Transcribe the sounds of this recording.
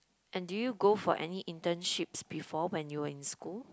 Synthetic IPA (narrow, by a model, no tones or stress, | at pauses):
ʔɛ̃ndujuɡofɔ̰ʔɛ̰niʔĩntə̃nʃipsbifɔwɛ̃njuwəĩnskul